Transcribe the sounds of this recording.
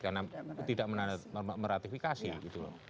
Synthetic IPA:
karnat̪idaʔmənamməɾat̪ifikasiɡit̪ulɔ̰

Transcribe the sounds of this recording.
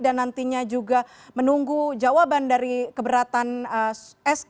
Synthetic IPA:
danːant̪iɲad͡ʒuɡa | mənuŋɡud͡ʒawabandaɾikəbəɾat̪anəɛs

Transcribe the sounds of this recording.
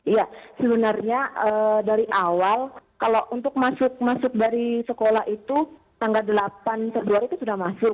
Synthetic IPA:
ijasəbənarɲaʔədaɾiʔawalkaloʔunt̪ʊk̚masʊk̚masʊk̚daɾisəkolahit̪u | t̪aŋɡaldəlapansəbluaɾit̪usudahmasʊk̚

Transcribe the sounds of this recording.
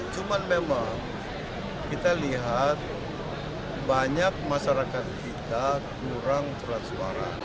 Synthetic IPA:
t͡ʃumanmemaŋ | kit̪aliɦat̪̚ | baɲak̚masaɾakat̪̚kit̪akuɾaŋt̪ulat̪̚səpa̰ɾa̰

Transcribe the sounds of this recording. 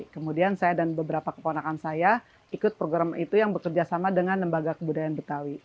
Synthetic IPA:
kəmudiansajadanbəbəɾapakə̥ponakansaja | ikʊt̪̚pɾoɡɾamit̪ujaŋbəkərd͡ʒasamadəŋanləmbaɡakəbudajanbət̪awi

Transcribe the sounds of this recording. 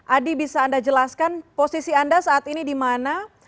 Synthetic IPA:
ʔadibisaːndad͡ʒəlaskanposisiandasaːt̪inidimana

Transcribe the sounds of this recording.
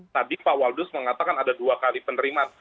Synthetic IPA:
t̪adipawaldʊsməŋat̪akanadaduakalipənəɾiman

